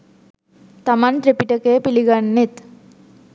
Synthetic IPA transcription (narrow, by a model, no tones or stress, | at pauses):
t̪ɐmanʈɾepiʈɐkeːpiliɡanːet̪